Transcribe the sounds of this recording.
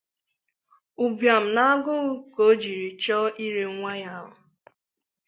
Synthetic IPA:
u˨bja˨m̩˨na˦a˦ɡʊ˦ʊ˦ko˦d͡ʒi˨ɾi˨t͡ʃɔ˦ʔi˦ɾe˦ŋʷa˦ja˦˨ʊ˨

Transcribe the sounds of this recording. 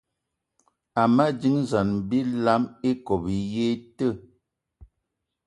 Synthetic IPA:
a˨ma˦d͡ʒi˦ŋza˨n˨bi˦la˨˦me˦kɔ˨bi˨˦je˦tə˦˨

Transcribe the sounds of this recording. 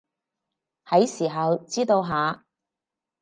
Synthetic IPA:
hɐ˨˥jsiː˨˩ɦɐ˨wt͡siː˥t̪o˧wɦaː˨˥

